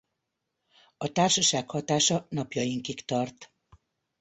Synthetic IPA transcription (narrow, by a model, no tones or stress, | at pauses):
ɒt̪aːrʃɒʃaːkhɒt̪aːʃɒnɒpjɒjiŋkikt̪ɒrt̪